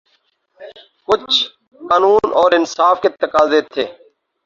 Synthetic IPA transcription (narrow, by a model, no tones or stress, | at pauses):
kʊt͡ʃʰ | kaːnuːnɔːɾɪnsaːfket̪əkaːzeːt̪ʰːeː